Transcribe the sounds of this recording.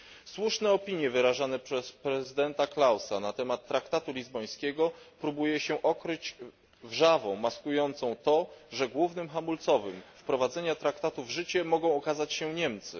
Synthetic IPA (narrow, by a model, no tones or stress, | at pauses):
swuʂnɛɔpʲiɲjɛvɘɾaʐanɛpʂɛspɾɛzɘd̪ɛnt̪aklawsanat̪ɛmat̪ːɾakt̪at̪ulʲizbɔj̃skʲɛɡɔpɾubujɛɕɛʔɔkɾɘd͡ʑ | vʐavɔ̃w̃maskujɔnt̪sɔ̃w̃t̪ɔʐɛɡwuvnɘmxamult̪sɔvɘmfpɾɔvad̪zɛɲat̪ɾakt̪at̪uvʐɘt͡ɕɛmɔɡɔ̃w̃ɔkazat͡ɕɕɛɲɛmt̪sɘ̰